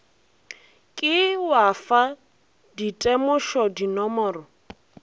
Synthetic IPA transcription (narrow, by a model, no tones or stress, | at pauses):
kʼɪwafa | ditʼɛmʊʃɔdinɔmɔːrɔ